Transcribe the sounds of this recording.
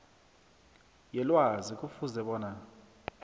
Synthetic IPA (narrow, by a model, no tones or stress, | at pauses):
jɛlwazik̬ʼufuzɛɓɔːna